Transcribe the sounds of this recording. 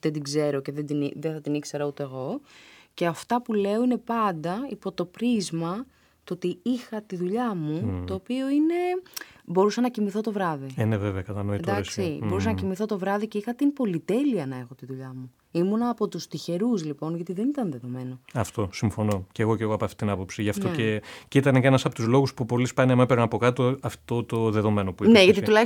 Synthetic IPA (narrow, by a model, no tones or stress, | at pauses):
ðed̪iɡze̞ɾo̞ce̞ðed̪iniðeθɐt̪inikse̞ɾɐut̪eːɣo̞ceɐft̪ɐpule̞o̞ine̞pɐnd̪ɐipo̞t̪o̞pɾizmɐ | t̪oot̪iixɐt̪iðuʎɐmut̪o̞ːpio̞ine̞bo̞ɾusɐnɐcimiθo̞t̪o̞vɾɐðieneveveɐkɐt̪ɐnoienɐsksibo̞ɾus̬ɐnɐcimiθo̞t̪o̞vɾɐðiceixɐt̪impo̞lit̪e̞liɐnɐe̞xo̞t̪iðuʎɐmu | imonɐːpo̞t̪ust̪içe̞ɾuzlipo̞nʝɐt̪iðe̞nit̪ɐnðe̞ðo̞me̞noɐft̪o̞siɱfo̞no̞ceɣo̞ce̞ɣoɐpoɐft̪i̥t̪inɐpo̞psiʝɐft̪oecit̪ɐnecenɐsɐpot̪uzlo̞ɣuspupo̞lispɐneɐmɐpeɾonɐpo̞kɐt̪oɐft̪o̞t̪o̞ðe̞ðo̞me̞nopuineʝɐt̪it̪ulɐ